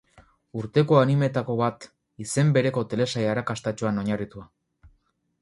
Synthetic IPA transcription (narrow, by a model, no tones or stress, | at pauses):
uɾt̪e̞ko̞anime̞t̪ako̞βat̪ | ise̞mbe̞ɾe̞ko̞t̪e̞le̞sajaɾakast̪at͡ʃoano̞ɲarit̪ua